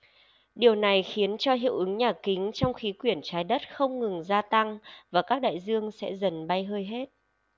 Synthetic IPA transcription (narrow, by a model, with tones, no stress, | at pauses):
ɗi˨˩əwna˨˩jxi˨˦ənt͡ɕɔ˧ɦḭ˧˨əwʔɨ˨˦ŋɲaː˨˩kï˨˦ŋ̟t͡ɕɔ˧wŋ͡mxi˨˦kwi˧˩ənt͡ɕaː˨˦jɗə˦˥t̚xə˧wŋ͡mŋɨ˨˩ŋzaː˧t̪a˧ŋvaː˨˩kaː˦˥k̚ɗa̰ː˧˨jzɨ˧əŋsɛ̰˧˥zə˨˩nɓa˧jɦəː˧jɦe˦˥t̚